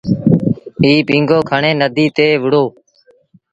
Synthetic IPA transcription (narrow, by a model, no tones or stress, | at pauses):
iːpĩːŋɡoːkʰəɳeːnəd̪ʱiːt̪eːʋɪɽoː